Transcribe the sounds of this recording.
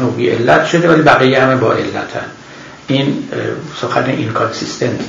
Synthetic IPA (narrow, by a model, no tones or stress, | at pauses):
noːviʔḛlːæt̪ʃo̞d̪evælibæɣijehamebɒ̰ːʔe̞lːæ̰t̪ʰæ̰n | ʔinsoxænḛʔinkʰonsist̪ʰen